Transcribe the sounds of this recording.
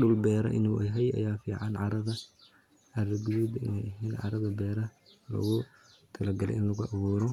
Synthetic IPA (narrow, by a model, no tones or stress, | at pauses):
ɗʊlbɛːɾɐ̰ʔɪ̰nuʔɛjɦɛjɐ̰jaːfḭːʕɑnʕɑɾɐðɐ | ɐɾɡuðubɪ̰nɛjɦinʕɑ̰ɾɐðɐbɛːɾɐ | lɐ̰ɣʊ | t̪ʰɐlɐɡɐlɛ̰ʔɪnlɐɣʊʔɑβuːɾɔ